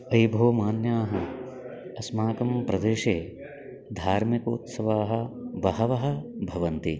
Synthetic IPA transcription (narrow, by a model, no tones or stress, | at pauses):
ɐjbʱoːmaːnjaːɦɐ | ɐsmaːkɐmpɾɐd̪eːʃeː | d̪ʱaːɾmiko̰ːt̪sɐʋaːɦɐ̆ʋɐɦɐʋɐɦɐ̆bʱɐʋɐnt̪i